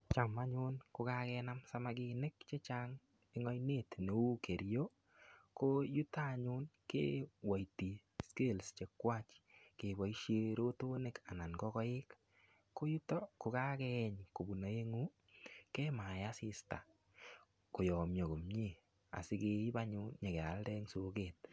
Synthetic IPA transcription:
t͡ʃa˨ma˦ɲʊnkʊ˨ka˦kɛna˦msa˦maɡɪne˦kt͡ʃe˦t͡ʃa˦ŋ | ɪ˦ŋɔ˦jne˦tne˨u˦ke˨ɾjo˦ | ko˦ju˦ta˦˨ɲʊ˦nkḛː˦wa˨jti˨ | ske˦lst͡ʃe˨kːwa˦t͡ʃke˨ba˨iʃje˦ɾo˦to˦ne˦ka˨na˨nɡɔ˦kɔ˦ɪ˦k | kːo˦ju˦tɔ˦ko˨ka˦kɛ˦˨ɲko˨bu˨na˨e˦ŋu˦ | ke˦ma˨ja˦sɪ˨sta̰˨ | ko˨jɔ˨mjo˨ɡo˨mɲi˦ | a̰˨sɪ˦ke˧i˦ba˦ɲʊ˦nɲe˨kɛ˨a˨ldɛ˦ŋso˨ket̚

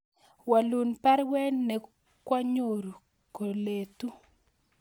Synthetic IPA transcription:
wa˨lu˨npa˦ɾwɛ˦nːɛ˨ | kwa˦ɲo˦˨ɾ | ko˨le˨t̪u˦

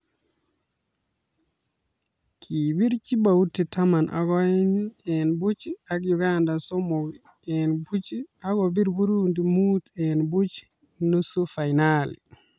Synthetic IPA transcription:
kʰibi˦ɾt͡ʃi˦bauti˨tama˨nʔa̰˨ɡɔɛ˦ɲɛnbu˦t͡ʃi˦a˦k̬juɡanda˨so˦mɔ˨ɡ | ɛnbu˦t͡ʃi˦a˦ɡɔbi˦ɾbu˦ɾundi˨mutɛnbu˦t͡ʃi̥ | nu˦su˦fajnalḭ

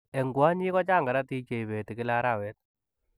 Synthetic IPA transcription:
e˨ŋɡwa˦ɲi˦kɔ˦t͡ʃa˦˨ŋɡa˨ɾa˦ti˦t͡ʃe˨iβe˨ti˨kɪ˦la˦ɾa˦˨wɛ˦t̚

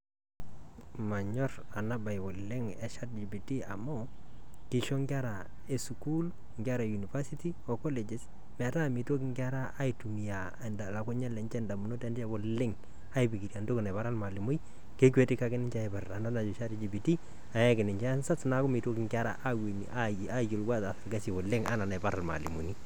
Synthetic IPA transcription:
ma˨ɲɔ˦ra˨na˦ba˨jbo˨lɪ˦ŋɛ˨ʃa˦td͡ʒi˨bi˨ti˦a˨mɔ˦kɪ˨ʃo˦ŋɡa˦ɾa˨ | e˨su˨ku˦l | ŋɡʲa˦ɾa˨ju˨ni˨fa˦si˦ti˦ɔ˨kɔ˦le˨d͡ʒɪ˨s | m˨a˨ta˦˨mi˨two˦k̬ɪ˦ŋɡa˦ɾa˦ʔːi˨tu˨mi˨a˨nda˨la˨ko˦ɲa˦lɛ˨nt͡ʃɛ˦nda˨mu˨no˦tɛ˦nda˦bo˨lɪ˦ŋ | a˦i˦bi˨ki˨ɾja˨ndo˦kɪ˨na˨βa˦ɾa˦lma˨lɪ˨mʊ˦j | ke˦kwe˦tɪ˦ka˦ɡɪ˦nɪ˦ɲt͡ʃa˦e˨ba˨ɾa˨na˦na˨d͡ʒo˨ʃa˦ɾd͡ʒi˨bi˨ti˦ | a˨ja˦kɪ˨nɪ˨ɲt͡ʃɛ˦nsa˦sna˦kʊ˦mi˨two˦kɪ˨ŋɡa˦ɾa̰˦ʔa˦wi˨nḭ˨ʔa˦ | a˦jo˨lɡwa˦ta˨fɛ˨lɡa˦si˨bɔ˨lɪ˦ŋa̰˦na˨na˨ba˦ɾa˨lma̰˨lḭ˨mu˨ni˦

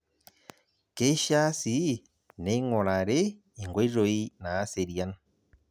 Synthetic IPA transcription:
ke˦ʃa˦si˨˦ | ne˦ŋɔ˨ɾa˨ɾeː˦˨ | ŋɡo˦i˦ɾo˨i˦naː˨˦se˨ɾja˦n

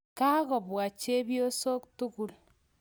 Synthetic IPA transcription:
ka˦ɣɔ˨βwa˨t͡ʃe˦βjo˦so˦ktu˦ku˦l

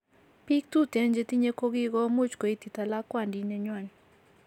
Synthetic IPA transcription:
pi˦k̚t̪u˦t̪e˨˦nd͡ʒe˦t̪i˦ɲe˦ko˦ɡɪ˦ɡɔ˦mu˦t͡ʃko˨i˦t̪i˨t̪a˨la˦kwa˨ndi˦ɲɛ˦ɲwa˦˨n

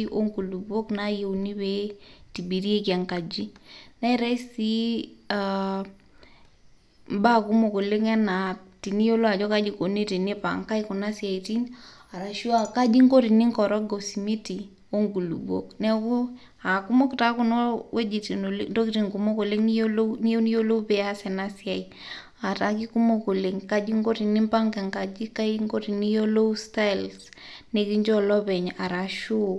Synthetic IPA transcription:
i˦ʔo˦ŋɡu˨lu˨bo˦kna˦je˦uni˦bɛ˦ti˨bi˨ɾi˦e˦kja˨ŋka˨d͡ʒi˦na˦i˦ɾɛ˦i˦si˦a˨ | m˦ba˦ku˦mo˨ko˨le˦ŋɛ˦na˨ti˨ni˦jo˦lo˦a˨d͡ʒɔ˦ka˦d͡ʒi˨˦ko˨ne˦te˨ne˦pa̰˨ŋka˦jko˨na˦sia˨i˨ti˦na˨ɾa˨ʃu˦a˨ka˦d͡ʒi˦ŋko˦ɾi˨ni˦ŋkɔ˨ɾɔ˦ɡo˨si˨mi˦ti˨ | o˦ŋɡu˨lṵ˨bo̰˦˨knɛ˦ku˦ | a˨ku˦mo˦kta˦ku˦nɔ˦wɛ˦d͡ʒi˨ti˨no˨lndo˦ki˦ti˨ŋku˨mo˦ko˨le˦ŋni˦o˦lo˦ni˦jo˦ni˦jo˦lo˦pɛ˨a˦sɛ˨na˦si˦a˨i | a˨ta˨˦ki˦ku˦mo˦ko˨le˨ŋka˦d͡ʒi˦ŋɡo˦ɾi˨nɪ˦mpa˦ŋkɛ˨ŋka˨d͡ʒi˦ka˦i˦ŋko˦ɾi˨ni˦jo˦lo˦sta˦jlsne˨ki˦ɲd͡ʒɔ˦lɔ˦bɛ˨ɲa˨ɾa˨ʃu˦˨

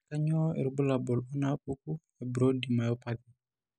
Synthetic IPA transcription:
ka˦ɲɔ˦ḭ˨ɾbu˦la˨bɔ˨lɔ˦na˦pu˦k̚u˦ | ɛ˨bɾo˦dima˨jɔ˦pad̪i

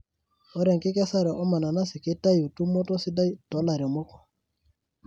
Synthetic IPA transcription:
o˦ɾɛ˨ŋkɪ˦kɛ˦sa˦ɾɛ˨ʔɔ˦ma˨na˨na˦sɪ˨ki˦ta˦ju˨tu˦mo˦tɔ˦si˦da˦i˦tɔ˨˦la˨ɾɔ˨mo˦kɔ̥˨

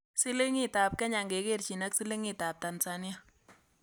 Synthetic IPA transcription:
si˦le˦ŋi˦˨ta˨p̚kɛ˦ɲa˨ŋɡe˨ke˦˨rt͡ʃi˨nɐ˦ksi˦le˦ŋi˦ta˨p̚ta˨nsa˨nja˦

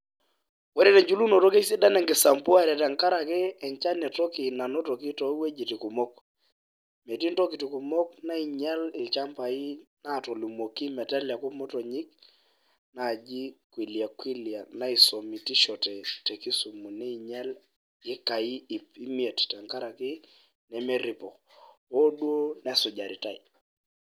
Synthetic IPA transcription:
wɛ˦ɾɛ˦tɛ˨ɲd͡ʒu˦lu˦nɔ˨tɔ˦ke˦i˦si˦da˦nɛ˨ŋɡɪ˨sa˨mpu˦a˦˨ɾɛ˨ta˨ŋka˦ɾa˨kɛ˦ɛ˨ɲt͡ʃa˦nɛ˨tɔ˦ki˨na˨nɔ˦tɔ˨ki˦tɔ˨˦we˦d͡ʒi˨ti˨ku˨mɔ˦k | me˨ti˦ntɔ˦ki˨ti˨ku˨mɔ˦kna˦i˨ɲɛ˦lɪ˨lt͡ʃa˦mpa˨i˦na˦˨tɔ˨li˨mo˨ki˦mɛ˨tɛ˦lja˨ku˦mɔ˦tɔ˨ɲi˦k̚ | na˨d͡ʒi˦kwi˨lja˨kwi˦lja˨na˦i˨so˨mi˨ti˦ʃɔ˨tɛ˨tɛ˨ki˦su˨mu˨nɛ˦i˨ɲɛ˦l | ɪ˦ka˨i˦˨pi˦mie˨tta˨ŋka˦ɾa˨kɪ˦ | nɛ˨mɛ˦ɾi˦pɔ˨ | ɔ˦ɗwo˦nɛ˦˨sʊ˨d͡ʒa˨ɾi˨ta˦˨i˨

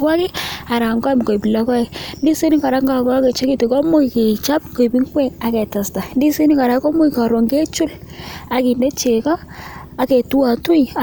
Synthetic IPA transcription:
wa˦kɪ˦a˨ɾa˨ŋɡɔ˦jm˨ko˨pi˨la˨˦kɔ˦i˨ndi˦si˦ni˦ka˨ɾa˦ŋɡa˨kɔ˦ke˨t͡ʃe˦ki˦to˨kɔ˦mʊ˦ke˨t͡ʃa˦pko˨bi˦ŋ˦kwɛ˦ŋa˨kɛ˨ta˨sta˨ndi˦si˦ni˦ka˨ɾa˨˦ko˦mʊ˦jka˨ɾo˨ŋɡe˦t͡ʃu˦la˨ki˨nde˦t͡ʃe˨kɔ˦ | a˨ke˨tu˦a˨tu˦˨a˨

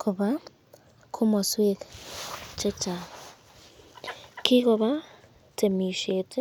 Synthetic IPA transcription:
kʰo˨βa˦ | kʰo˦mo˨swe˦k | t͡ʃe˦t͡ʃa˨ | kʰi˦ko˨βa˦ | tʰe˨mi˨ʃetʰe˦

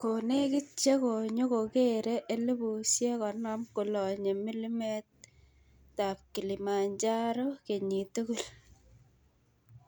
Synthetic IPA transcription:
ko˨ne˦ki˦t͡ʃe˦ko˨ɲo˦ko˨ke˦ɾe˦ʔe˦le˦bu˨sje˦kɔ˨nɔ˦mku˨lɔ˨ɲe˨mi˦li˦me˦t̚ | ta˨p̚ki˨li˨ma˨ɲd͡ʒa˦ɾo˦ke˨ɲi˨tu˦ku˦l

